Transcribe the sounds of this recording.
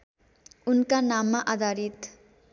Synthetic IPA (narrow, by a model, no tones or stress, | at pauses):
unkanamːaʔad̪ʱaɾit̪